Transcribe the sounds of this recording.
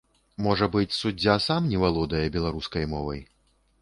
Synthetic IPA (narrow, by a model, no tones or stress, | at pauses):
mɔʐɐbɨt͡sʲsud͡zʲːasamnʲɛvalˠɔd̪ɐjɐbʲɛlˠaɾuskɐjmɔvɐj